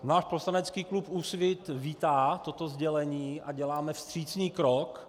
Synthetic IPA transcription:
naːʃposlanɛt͡skiːklupusvɪt̪viːt̪aːt̪o̞t̪ozɟɛlɛɲiːʔaɟɛlaːmɛfst̪r̝̥iːt͡sniːkɾok

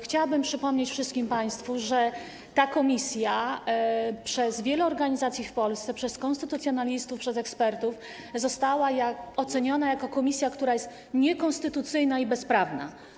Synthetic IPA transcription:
xt͡ɕawabɘmpʂɘpɔmɲet͡ɕfʂɘst̪kʲimpaj̃st̪fuʐɛ | t̪akɔmʲisʲja | pʂɛzvʲjɛlɛɔɾɡaɲizat̪sʲjifpɔlst̪sɛpʂɛskɔnst̪ɘt̪ut̪sʲjɔnalʲist̪ufpʂɛzɛkspɛɾt̪uf | zɔst̪awajaɔt̪sɛɲɔnajakɔkɔmʲisʲjakt̪uɾajɛst̪ | ɲɛkɔnst̪ɘt̪ut̪sɘjnaibɛspɾavna̰

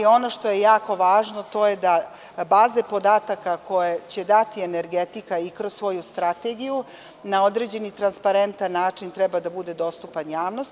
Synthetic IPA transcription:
o̞no̞ʂt̪o̞je̞jaːko̞ʋaːʒno̞t̪o̞je̞d̪a | baːze̞po̞d̪aːt̪akako̞jet͡ɕe̞d̪at̪ieneɾɡet̪ikaikɾo̞ssʋo̞just̪ɾat̪e̞ɡiju | nao̞d̪ɾe̞d͡ʑe̞nit̪ɾanspaɾe̞nt̪anːaːt͡ʂint̪ɾɛbad̪abud̪e̞d̪o̞st̪upanjaːʋno̞st̪

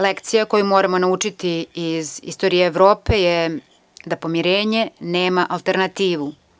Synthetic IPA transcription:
lekt̪sijako̞jumo̞ːɾamo̞naut͡ʃit̪iːzḭst̪o̞ɾijeːʋɾo̞ːpe̞je | d̪apo̞miɾeːɲe̞ne̞ːmaʔalˠt̪e̞ɾnat̪iːʋu

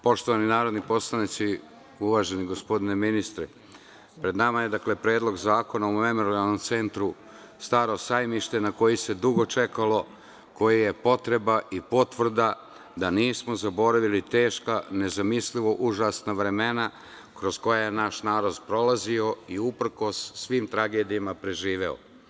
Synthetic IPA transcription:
po̞ʃt̪oaninaːɾo̞d̪nipo̞slˠanit̪si | uʋaːʒe̞niɡo̞spo̞d̪ine̞minist̪ɾe | pɾe̞d̪namaje̞d̪akle̞pɾe̞ːd̪lˠo̞ɡzaːko̞naume̞mo̞ɾialˠno̞mt̪se̞nt̪ɾu | st̪aːɾo̞sajmiʃt̪e̞nako̞jise̞d̪uɡo̞t͡ʃe̞kalo̞ | ko̞jije̞po̞t̪ɾe̞baʔipo̞t̪ʋr̩d̪a | d̪aniːsmo̞zabo̞ɾaʋilit̪e̞ːʃkane̞zamisliʋo̞ʔuʒaːsnaʋɾe̞me̞na | kɾo̞zko̞jajenaʃnaːɾo̞d̪pɾo̞lazio̞iupr̩ko̞sːʋiːmt̪ɾaɡe̞ːd̪ijamapɾe̞ʒiːʋe̞o̰

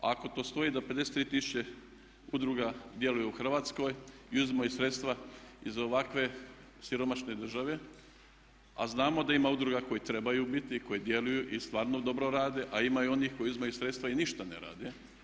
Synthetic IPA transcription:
aako̞t̪o̞ːst̪o̞id̪ape̞d̪ese̥t̪ɾiːt̪isu̥t͡ɕe | ud̪ɾuɡad̪je̞lujeuxr̩ʋaːt̪sko̞jiuzimajusɾe̞t̪st̪ʋaizo̞ʋakʋe̞ | siɾo̞maʃne̞d̪r̩ʒaʋe̞ | a̰znaːmo̞d̪aimaud̪ɾuɡako̞jet̪ɾe̞bajubit̪iko̞jed̪je̞lujuʔist̪ʋaːɾnod̪o̞bɾo̞ɾaːd̪e̞ʔaimaio̞nixkojuzimajusɾet̪st̪ʋainiʃt̪anḛɾa̰ːd̪e

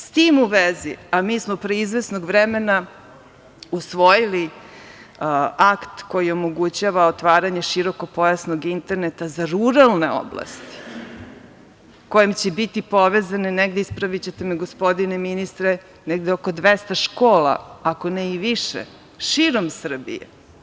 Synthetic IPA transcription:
st̪iːmuʋeziamiːsmopɾeizʋesnoɡʋɾɛme̞na | usʋo̞jili | akt̪ko̞jio̞moɡut͡ɕaʋaot̪ʋaːɾaɲeʃiɾo̞ko̞po̞jasnoɡint̪e̞ɾnet̪azaɾuɾalˠne̞o̰bla̰st̪i̥ | ko̞jemt͡ɕebit̪ipo̞ʋezaneneɡd̪eispɾaʋit͡ɕet̪emiɡospo̞d̪ineminist̪ɾe | neɡd̪eokod̪ʋest̪aʃkoːla̰ako̞neiʋiʃḛ | ʃiːɾo̞msr̩bḭjḛ

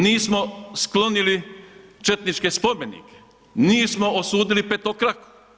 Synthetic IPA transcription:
niːsmosklo̞nilit͡ʃet̪nit͡ʃkespo̞menḭke̥ | niːsmoosuːd̪ilipet̪okɾako̥

